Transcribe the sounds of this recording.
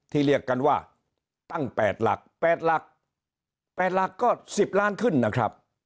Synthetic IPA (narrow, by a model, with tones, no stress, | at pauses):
t̪ʰiː˥˩ɾi˥˩əkːa˧nwaː˥˩ | t̪a˥˩ŋpɛː˨˩t̪̚la̰˨˩k̚pɛː˨˩t̪̚la˨˩k̚ | pɛː˨˩t̪̚la˨˩kːɔː˥˩si˨˩p̚laː˦˥˨nkʰɯ˥˩nːa˦˥kʰɾa˦˥p̚